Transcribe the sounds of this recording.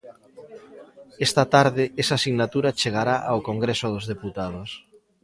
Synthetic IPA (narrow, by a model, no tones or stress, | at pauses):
ɛst̪at̪aɾðɪesasiɣnat̪uɾat͡ʃeɣaɾaʔawkoŋɡɾesoð̞ozðeput̪að̞os